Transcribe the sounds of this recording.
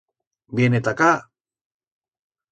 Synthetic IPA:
bienet̪aka

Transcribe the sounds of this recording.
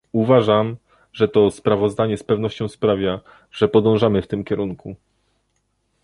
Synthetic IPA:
uvaʐam | ʐɛt̪ɔspɾavɔzd̪aɲɛspɛvnɔɕt͡ɕɔ̃w̃spɾavʲja | ʐ̥ɛpɔd̪ɔ̃w̃ʐamɘft̪ɘmkʲɛɾuŋkʰu

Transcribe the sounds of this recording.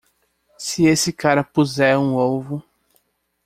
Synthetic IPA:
sɪesɪkaɾɐpuzɛɾũowvʊ

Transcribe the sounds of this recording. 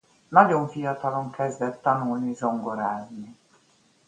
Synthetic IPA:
nɒɟo̞ɱfijɒt̪ɒlo̞ŋkɛzd̪ɛt̪ːɒnulnizo̞ŋɡo̞ɾaːzni

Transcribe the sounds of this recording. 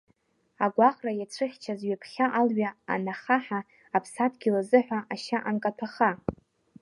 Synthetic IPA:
aɡʷaχrajat͡sʷʰɨχʲt͡ʃʰazɥapʰχʲaʔalɥaa̰naχaħa | apʰsatʰɡʲɪlazɨħᶣʷaʔaʃaʔankʼatʰaχa

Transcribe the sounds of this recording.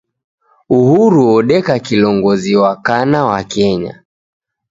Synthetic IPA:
uhuɾuɔɗɛkakilɔŋɡɔziwakanawakɛɲa̰

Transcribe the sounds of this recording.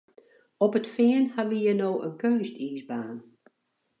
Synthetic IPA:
ɔpətfɪənhaʋijənoːʔənkøːstiːzbaːn

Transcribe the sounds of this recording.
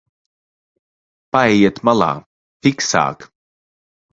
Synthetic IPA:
paɛjet̪mala̰ː | fiksa̰ːk

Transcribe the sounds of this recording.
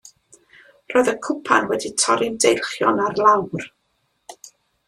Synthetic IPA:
rɔːjðəkʰʊpʰanwɛditʰɔɾɪmdejlˠχjɔnarlˠawr

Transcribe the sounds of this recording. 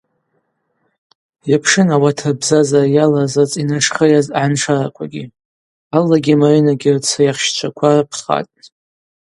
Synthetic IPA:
japʰʂɨnawatʰabzazajalazat͡sʼinaʂχəjazʕanʂʰaɾakʷʰʼaɡʲi | alːaɡʲimaʕinaɡʲirt͡sʰajaχʃt͡ʃʷʰakʷʰarapʰχa̰tʼ

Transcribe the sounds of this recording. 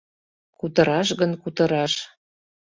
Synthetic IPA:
kut̪ɤ̆ɾɑʃɣənkut̪ɤ̆ɾɑʃ

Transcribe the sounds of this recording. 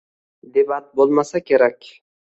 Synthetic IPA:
d̪ebat̪̚bolˠmasakʲʰe̞ɾakʲ

